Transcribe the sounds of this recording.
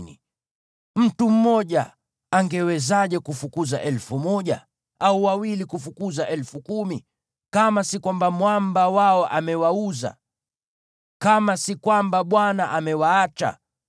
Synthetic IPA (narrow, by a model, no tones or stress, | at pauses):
nḭ | m̩tum̩mɔʄa | aŋɡɛwɛzaʄɛkufukuzaʔɛlfumɔʄa̰ | auwawilikufukuzaʔɛlfukumi | kamasikwambamwambawaɔʔamɛwauza̰ | kamasikwambaɓwanaʔamɛwaːt͡ʃa̰